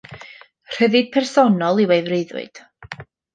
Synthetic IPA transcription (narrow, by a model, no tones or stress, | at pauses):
r̥əðɨd̥̚pʰɛrsɔnɔlˠiwejvreðʊ̰ɨd̥